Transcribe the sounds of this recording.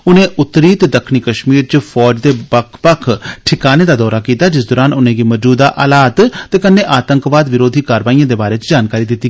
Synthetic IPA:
ʊnẽːʔʊt̪ːɾiːt̪d̪əkʰniːkəʃmiːɾt͡ʃəpʰɔːd͡ʒd̪eːbəkʰpəkʰʈʰɪkaːneːd̪aːd̪ɔːɾaːkiːt̪aːd͡ʒɪsd̪ɔːɾaːnʊnẽːɡiːməd͡ʒuːd̪aːʔəlaːt̪t̪eːkənːẽːʔaːt̪əŋkʋaːd̪ʋɪɾoːd̪ʱiːkaːɾəʋaːijãːd̪eːbaːɾeːt͡ʃd͡ʒaːnkaːɾiːd̪ɪt̪ːiː

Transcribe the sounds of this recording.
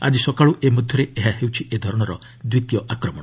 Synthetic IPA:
a̰d͡ʒisɔkaɭuʔemud̪ʱjɔɾeeɦaɦewt͡ʃʰiʔed̪ʱɔɾɔɽ̃ɔɾɔ | d̪wit̪jɔʔakɾɔmɔɽ̃ɔ

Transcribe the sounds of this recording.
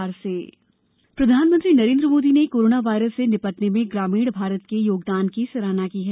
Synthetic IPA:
aɾseː | pɾɐd̪ʱaːnmə̃nt̪ɾinɐɾẽːnd̪ɾəmoːd̪inekoːɾoːnaʋaːɪɾəsːenɪpəʈnemẽɡɾaːmiːɽbʱaːɾət̪kejoːɡd̪aːnkisɐɾaːnakiːɦɛː

